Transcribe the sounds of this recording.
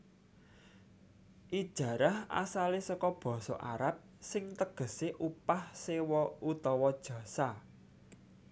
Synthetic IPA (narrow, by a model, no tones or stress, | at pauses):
ʔid̥ʒ̥ä̤ɾaha̰salesɔkɔb̥ɔ̤sɔ̰ʔaɾap̚sɪŋt̪əɡ̥ə̤seʔupahsewɔut̪ɔwɔd̥ʒ̥ä̤sa